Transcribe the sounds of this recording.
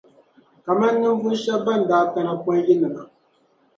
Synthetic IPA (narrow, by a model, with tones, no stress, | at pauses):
ka˨ma˦nː˦ɨ˦m˦vʊ˦ʃɛ˦bba˦˨n˨daː˦ka˦na˨pɔ˦n˦ji˦nɨ˨ma˨